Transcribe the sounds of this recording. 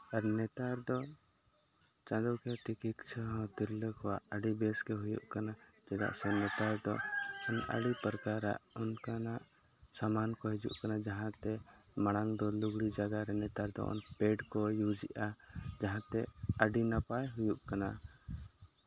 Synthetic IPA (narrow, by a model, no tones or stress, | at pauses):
aɾnɛt̪aɾd̪ɔ | t͡ʃãd̪ɔkɛʈ̪ikikt͡ʃʰəɦɔ̃t̪iɾləkɔwaʔəɖibɛskɛɦujṵʔkana | d͡ʒɛda̰ʔsɛnɛt̪aɾd̪ɔɔnʔa̰ɽipəɾkaɾa̰ʔunkanaʔ | samankɔɦɛd͡ʒṵʔkanad͡ʒaɦãt̪ɛ | maɽ̃aŋd̪ɔluɡɽid͡ʒaɡaɾɛnɛt̪aɾd̪ɔ̰ɔ̰npeɖkɔjud͡ʒiʔad͡ʒaɦãt̪ɛəɖinapajɦujuʔkana